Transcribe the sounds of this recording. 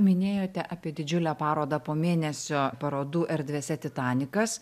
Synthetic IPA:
mʲɪnʲeːjoːt̪ʲɛʔɑːpʲiɛd̪ʲɪd͡ʒʲʊlʲæːpɑːɾoːd̪ɐpoːmʲeːnʲɛsʲoːpɐɾoːd̪uːʔɛɾʲd̪ʲʋʲeːsʲɛt̪ʲɪt̪ɑːnʲɪkɐs

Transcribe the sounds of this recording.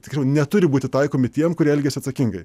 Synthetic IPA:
t̪ʲɪkʲːsʲɛʊnʲɛt̪ʊɾʲɪbuːt̪ʲɪt̪ɐɪkoːmʲɪt̪ʲiɛmkʊɾʲiɛɛlʲɡʲɛsʲɪɐt̪sɐkʲɪŋɡɐɪ

